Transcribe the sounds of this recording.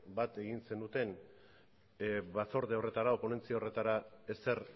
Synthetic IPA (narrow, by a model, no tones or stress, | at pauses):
bat̪e̞ɣinse̞nd̪ut̪e̞n | βaso̞ɾðeore̞t̪aɾaopo̞ne̞nt͡siao̞re̞t̪aɾae̞se̞ɾ